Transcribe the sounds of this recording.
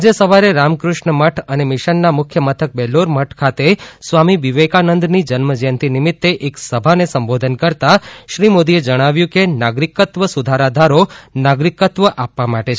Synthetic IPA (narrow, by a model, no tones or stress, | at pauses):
d͡ʒesəʋaɾeɾamkɾʊʃɳəməʈʰənemɪʃənːamʊkʰjəmət̪ʰək̚bɛloɾməʈʰkʰat̪esʋamiʋiʋekanənd̪nid͡ʒənməd͡ʒənt̪ʰinimit̪ːeʔeksəbʱanesəmbod̪ʱənkəɾt̪aʃɾimod̪ied͡ʒəɽ̃aʋjũkenaɡɾikːət̪ʋəsud̪ʱaɾad̪ʱaɾonaɡɾikət̪ʋəʔapːamaʈet͡ʃʰ